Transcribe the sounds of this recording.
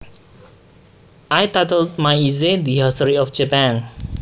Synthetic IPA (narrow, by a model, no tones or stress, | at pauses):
ʔajt̪at̪əld̪̚majized̪iɦasəɾiɔfd͡ʒapãn